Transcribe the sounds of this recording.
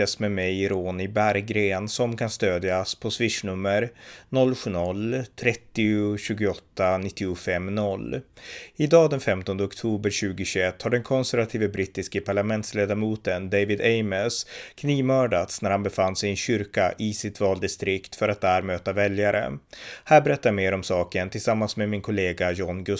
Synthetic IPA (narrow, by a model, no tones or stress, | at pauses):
ɛsmɛmɛjɾoːnɪbæɾɡɾeːnsɔmkʰanst̪øːd̪jaspʰɔsvɪʂɳɵmːəɾnɔlːɧʉːnɔlːt̪ʰɾɛt̪ːɪʊɕʉ̟ːɡʊɔt̪ːanɪt̪ːɪʊfɛmːnɔlː | ɪd̪ɑːd̪ɛnfɛmt̪ɔnd̪əɔkt̪ʰuːbəɾɕʉ̟ːɡʊɕʉɛt̪ːhaɖɛnkʰɔnsæɾvat̪ʰiːvəbɾɪt̪ːɪskəpʰaɭamɛnt̪sleːd̪aɾmuːt̪ənd̪evɪd̪ɛɪməskʰniːvmœːɖat̪snæɾhanbɛfanːsɛjɛnɕʏɾkaʔɪsɪt̪vɑːld̪ɪst̪ɾɪkt̪fœɾat̪̚d̪æːɾmøːt̪avɛljaɾʔə̰hæːɾbɛɾɛt̪ːajameːɾɔmsɑːkənt̪ʰɪlsamːansmemɪnkʰʊleːɡajɔnɡɵ